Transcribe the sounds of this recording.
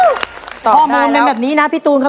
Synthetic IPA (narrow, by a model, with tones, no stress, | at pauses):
ɔ˨ɔː˩˥˩moː˧npe˧nbɛː˨˩p̚niː˦˥na˦˥pʰiː˦˥˩t̪uː˧nkʰa˦˥˩